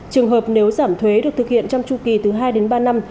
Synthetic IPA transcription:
t͡ɕɨ˨˩əŋɦəː˨˩p̚ne˨˦wzaː˧˩mt̪ʰwe˨˦ɗɨ˨˩ək̚t̪ɨ˨˩k̚hʰḭ˧˨ənt͡ɕɔ˧wŋ͡mt͡ɕu˧˩ki˨˩t̪ɨ˨˦ɦaː˧jɗe˨˦nɓaː˧na˧m

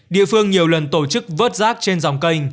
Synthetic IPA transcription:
ɗḭ˧˨əfɨ˧əŋɲi˨˩əwlə˨˩nt̪o˧˩t͡ɕɨ˦˥k̚vəː˦˥t̚zaː˦˥k̚t͡ɕe˧nza˨˩wŋ͡mkə˧jŋ̟

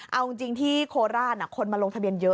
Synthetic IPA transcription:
ʔa˧wi˧ŋt͡ɕi˧ŋt̪ʰiː˥˩kʰoː˧ɾaː˥˩na˧˩kʰo˧nmaː˧lo˧ŋt̪ʰbi˧ənjɤ˦˥

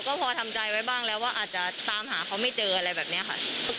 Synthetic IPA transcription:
wkɔː˥˩pʰɔː˧t̪ʰa˧mt͡ɕa˧jwa˦˥jbaː˥˩ŋlɛː˦˥waː˥˩ʔaː˨˩t̪̚t͡ɕa˨˩t̪aː˧mɦaː˩˦kʰa˦˥wma˥˩jt͡ɕɤː˧ʔa˧ɾa˧jbɛː˨˩p̚ni˦˥ɐ˩kʰa̰˥˩˥

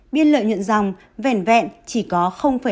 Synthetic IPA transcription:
ɓi˧ənlə̰ː˧˨jɲwə̰˧˨nza˨˩wŋ͡m | vɛ˧˩nvɛ̰˧˨nt͡ɕi˧˩kɔ˨˦xə˧wŋ͡mfaː˧˩

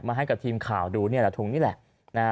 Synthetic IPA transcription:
k̚maː˧ɦa˥˩jka˨˩p̚t̪ʰiː˧mkʰaː˨˩wduː˧ni˥˩ɐlɛ˧˩t̪ʰu˨˩ŋniː˦˥˩lɛ̰˨˩ʔ | na˦˥

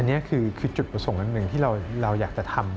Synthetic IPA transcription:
ʔa˧nːi˦˥ɐkʰɯː˧kʰɯː˧t͡ɕu˨˩t̪̚pɾa˧so˨˩˦ŋʔa˧nːɯ˨˩ŋt̪ʰiː˥˩ɾa˧wɾa˧wjaː˨˩k̚t͡ɕa˨˩t̪ʰa˧m

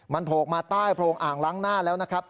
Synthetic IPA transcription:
ma˧npʰoː˨˩k̚maː˧t̪aː˥˩jpʰɾoː˧ŋʔaː˨˩ŋlaː˦˥ŋnaː˥˩lɛː˦˥wna˦˥kʰɾa˦˥p̚

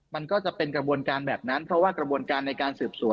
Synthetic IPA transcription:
ma˧nkɔː˥˩t͡ɕa˨˩pe˧nkɾa˧bu˧ənkaː˧nbɛː˨˩p̚na˦˥npʰɾɔ˦˥waː˥˩kɾa˧bu˧ənkaː˧nːa˧jkaː˧nsɯː˨˩p̚su˨˩˦

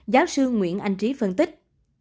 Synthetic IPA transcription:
zaː˨˦wsɨ˧ŋwḭ˧˨ənʔa̰˧jŋ̟t͡ɕi˨˦fə˧˩nt̪ï˦˥k̚

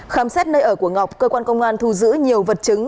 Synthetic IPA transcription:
xaː˧˩msɛ˦˥t̚nəː˧jʔəː˧˩ku˧˩əŋa˨˩wk͡p̚kəː˧kwaː˧nkə˧wŋ͡mʔaː˧nt̪ʰu˧zɨ̰˧˥ɲi˨˩əwvə˨˩t̚t͡ɕɨ˨˦ŋ

